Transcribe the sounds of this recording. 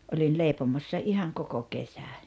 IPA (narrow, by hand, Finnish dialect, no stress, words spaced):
olʲin leˑipomosːɑ ihɑŋ koko kesæ